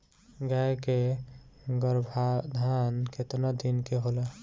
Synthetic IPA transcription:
ɡaeke | ɡəɾbʱad̪ʱankʰet̪nəd̪inkeɦolə

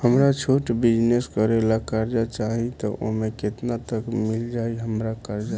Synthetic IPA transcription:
həmɾat͡ʃʰoʈbid͡ʒneskəɾelakəɾd͡ʒat͡ʃaɦit̪ɔʔo̰ɦmeket̪nat̪əkmild͡ʒaiɦəmɾakəɾd͡ʒa

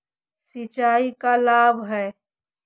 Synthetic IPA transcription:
sɪt͡ʃaːikalaːbʱɦɛː

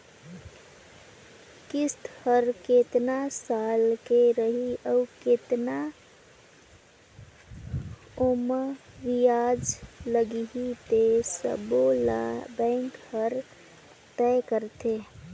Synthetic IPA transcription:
kist̪həɾket̪nasalkeɾəɦiəuket̪na | oməʋijad͡ʒləɡiɦit̪esə̰bolabɛ̃ŋkhəɾ | t̪ɛkəɾt̪e

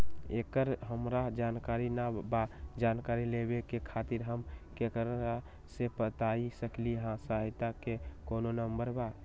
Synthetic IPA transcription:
ekəɾɦəmɾad͡ʒankaɾinabad͡ʒankaɾilebekekʰat̪iɾɦəmkekəɾa | sepət̪aisəkliɦãsaɦɪt̪akekononəmbəɾba

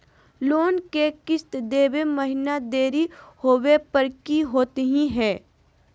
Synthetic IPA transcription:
loːnkekɪst̪d̪eːwemɐɦɪnad̪eːɾihoːwepəɾkiɦoːt̪ɦĩɦɛ̃ː

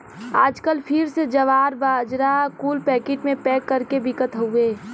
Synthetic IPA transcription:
aːd͡ʒkəlpʰɪɾsed͡ʒɐʋaːɾbaːd͡ʒɾakuːlpɛːkeːʈmẽpɛːkːəɾkebɪkət̪ɦõeː

